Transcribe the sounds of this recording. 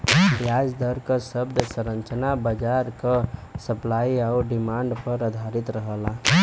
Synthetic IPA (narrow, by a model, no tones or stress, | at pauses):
jad͡ʒd̪əɾkəsəbd̪ʱsəɾənt͡ʃənabəd͡ʒaɾkəsəplaiaʊɾɖimãɳɖpəɾəd̪ʱaɾit̪ɾəɦəla